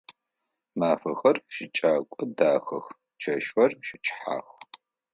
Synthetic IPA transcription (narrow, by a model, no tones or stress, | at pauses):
maːfɐxɐrʃɪt͡ʃʼaːkʷʼɔdaːxɐ̰x | t͡ʃʰɐʃɐrʃɪt͡ʃʰʼħa̰ːx